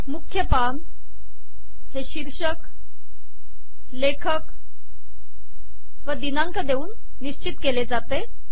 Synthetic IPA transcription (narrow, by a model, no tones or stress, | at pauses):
mukʰjəpam | heɕiɾɕək | lekʰək | ʋəd̪inaŋkəd̪euːnː | iɕt͡ɕit̪keled͡zat̪e